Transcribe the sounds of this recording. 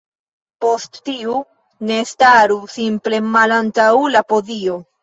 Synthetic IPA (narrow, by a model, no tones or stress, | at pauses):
po̞stːiu | ne̞staɾusimple̞malantawlapo̞zio̞